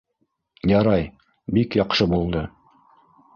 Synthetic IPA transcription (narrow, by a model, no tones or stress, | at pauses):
jɑɾɑj | bikjɑqʃɤbulˠd̪ɤ